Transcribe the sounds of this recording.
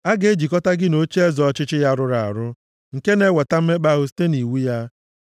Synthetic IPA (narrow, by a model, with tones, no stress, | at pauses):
a˦ɡe˦d͡ʒi˨kɔ˦ta˦ɡɪ˦no˦t͡ʃi˦e˦zɔ˨˦t͡ʃɪ˦t͡ʃɪ˦ja˦ɾʊ˦ɾa˨a˨ɾʊ˦ | ŋ̩˨ke˦ne˦wa˨ta˦m̩˦me˦k͡pa˦ɣʊ˦s̬i̥˦te˦ni˨wu˦ja˦